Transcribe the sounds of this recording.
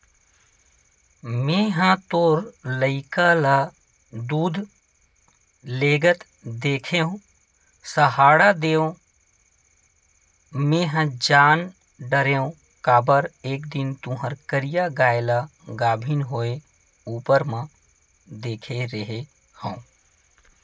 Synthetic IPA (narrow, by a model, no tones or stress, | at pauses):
mẽɦə̃t̪oːɾləɪkala | d̪uːd̪ʱ | leːɡət̪ | d̪eːkʰeɦõ | səɦaːɽad̪eːõ | mẽːɦə̃d͡ʒaːn | ɖəɾeõ | kaːbəɾeːkd̪int̪ũɦəɾkəɾijaɡaːelaɡaːbʱinɦoːe | uːpəɾmã | d̪eːkʰeɾəɦe | hə̃ũ